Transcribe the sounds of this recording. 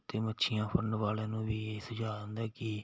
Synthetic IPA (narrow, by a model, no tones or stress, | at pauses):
t̪eːməːʃʰɪjãːpʰəɳɖʋaːleːnũːʋiːeːsəd͡ʒaːlə̃nd̪ɛːkɪ